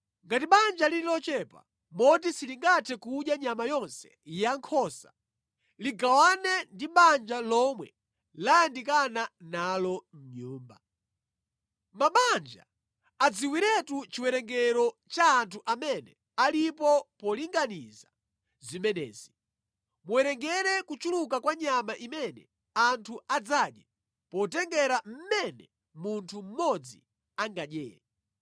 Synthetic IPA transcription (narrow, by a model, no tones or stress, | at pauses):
ŋɡatiɓand͡ʒaliɾilɔt͡ʃɛpa̰ | mɔt̬isiliŋɡatʰɛkuɗjaɲamajɔnsɛ̥ | jaŋkʰɔsa̰ | liɡawanɛndiɓand͡ʒalɔmwɛ̰ | lajandik̬ananalɔm̩ɲuːmba̰ | maɓand͡ʒa̰ | ad͡ziwiɾɛtut͡ʃiwɛɾɛŋɡɛɾɔt͡ʃaːntʰuʔamɛnɛ | alipɔpɔliŋɡaniza | zimɛnɛ̰ːz̥i | muwɛɾɛŋɡɛɾɛkut͡ʃulukakwaɲamaʔimɛnɛ̰ | antʰuad͡zaɗja | pɔt̬ɛŋɡɛɾam̩mɛnɛ | muntʰum̩mɔd͡zi | aŋɡaɗjɛ̰ːa